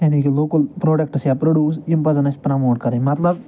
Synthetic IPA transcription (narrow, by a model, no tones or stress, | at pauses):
jaːnikiloːkɐlpɾoːɖɐk̚ʈsjaːpɾoɖjuːs̬jimpɐzɐnɐsi̥pɾamoːʈkɐɾemɐt̪lɐb